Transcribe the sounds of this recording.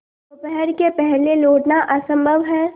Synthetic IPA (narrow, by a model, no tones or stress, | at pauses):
ʊpɛɦɛɾkepɛɦleloːʈnaʔɐsə̃mbʱəʋɦɛː